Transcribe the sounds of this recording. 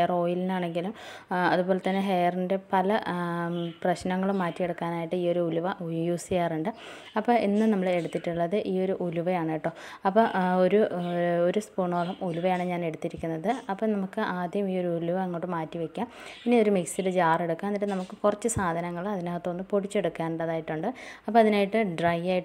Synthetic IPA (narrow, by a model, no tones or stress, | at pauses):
ro̞ːjilinaːɳe̞ŋɡilumɐðubo̞ːle̞t̪ːɐnːe̞ɦejɐrinde̞pɐlɐ | prɐɕnɐŋːɐɭumːaːtːieɽukːaːnaːjiʈːɨiːo̞ɾuuluʋɐʔujjuːsijaːruɳɖɨ | ɐpːoːʔinːɨnɐmːɐɭe̞ɽut̪ːiʈːuɭːɐðɨʔiːo̞ɾuʔuluʋɐjaːɳejʈːo̞ːɐpːooɾuoɾuspuɳo̞ːlɐmuluʋɐjaːɳɨɲaːne̞ɽut̪ːiɾikʲːunːɐðɨɐpːoːnɐmukːɨʔaːd̪ʱjɐjɐmiːo̞ɾuuluʋɐeŋːoːʈːɨmaːtːiʋekʲːaːmpinːio̞ɾumiksiɾɨd͡ʑaːre̞ɽukːaːnːiʈːenɐmukːɨkurɐt͡ɕːɨsaːd̪ʱɐnɐŋːɐɭɐðinaːɐt̪ːonːɨpoɽit͡ɕːe̞ɽukːaːnuɳɖɐðaːjiʈːuɳɖɨɐpːoːɐðinaːjiʈːɨɖrɐjaːjiʈː